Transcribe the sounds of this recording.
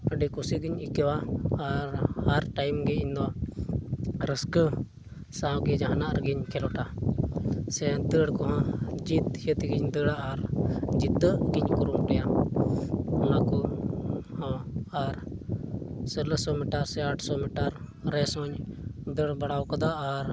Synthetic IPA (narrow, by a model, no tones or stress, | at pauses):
ɖikusiɡiɲikɛwaːɾhaɾʈajmɡɛind̪ɔ | ɾəskə | sãɡɛd͡ʒaɦanaʔɾɡiɲkɛlɔʈa | sɛd̪əɽkɔɦɔ̃d͡ʒit̪hiət̪iɡiɲd̪əɽaʔaɾd͡ʒit̪ːəʔɡiɲkuɾumɾɛja | ɔnakɔ | hɔ̃aɾ | sələsɔmiʈaɾsɛaʈʰsɔmiʈaɾ | ɾɛsɔɲd̪əɽbaɽawkad̪aʔːɾ